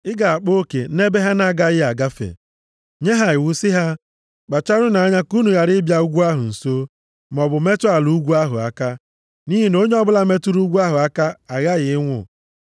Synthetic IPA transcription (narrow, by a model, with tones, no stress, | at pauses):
ɪ˦ɡa˨a˨k͡po˦kḛ˨˦ne˦be˦ɦa˦na˨ɡa˦ɣɪ˦a˨ɡa˦fḛ˨ | ɲe˦ɦa˦ɪ˨wu˦sɪ˦ɦa˦ | k͡pa˨t͡ʃa˦ɾʊ˦na˨a˦ɲa˦ku˦nu˨ɣa˨ɾɪ˦bja˦u˦ɡʷu˦a˦ɦʊ˨n̩˨soː˦ | m˨ɔ˨bʊ˨me˦tʊ˦a˨lu˨˦ɡʷu˦a˦ɦʊ̰˨a̰˨ka˦ | ni˦ɦi˦no˦ɲ˦ɔ˦bʊ˦la˦me˦tu˦ɾu˦ɡʷu˦a˦ɦʊ˨a˦ka˦a˨ɣa˦ɣɪ˨ɪ˦ŋʷʊ̰˦